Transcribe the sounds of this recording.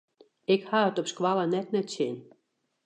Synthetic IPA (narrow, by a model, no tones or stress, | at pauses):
ekhɑot̪opʃkvɑlɑnæt̪̚næt͡ɕenʲ